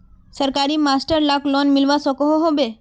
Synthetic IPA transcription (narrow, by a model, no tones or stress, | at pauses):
səɾkaɾimasʈəɾlaklɔnmilʋasəkoɦoɦobe